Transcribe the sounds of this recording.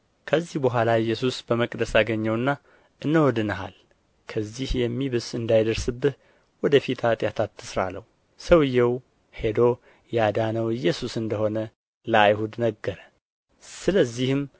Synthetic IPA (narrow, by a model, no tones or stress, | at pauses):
kʰəzːihbəɦʷalaɪjːɛsusbəməkʼd̪əsaɡəɲːɛwɨnːa | ʔɨnːəwɔd̪ɨnəɦa̰l | kʰəzːihjɛmːiβɨz̥ɨnd̪ajd̪əɾsɨbːɨh̪ | wɔd̪əfit̪ʰat̪ʼjat̪ʰat̪ʰːɨsɾa̰lːə̰hu | səwɨjːɛw | he̞d̪o̞ | jad̪anəwɨjːɛsusɨnd̪əho̞nə | ləajhud̪nəɡːəɾə | sɨləzːihɨm